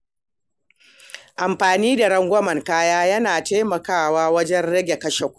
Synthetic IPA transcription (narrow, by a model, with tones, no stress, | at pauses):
ʔa˨mɸaː˨niː˦da˨ɽɐ˦ŋɡʷɐ˦mɐ˨ŋkaː˦jaː˦jɐ˦naː˨teː˦mɐ˨kaː˦˨waː˦wɐ˦d͡ʒɛ˦nɽɐ˦ɡʲe˨kɐ˦ʃe˨kʷ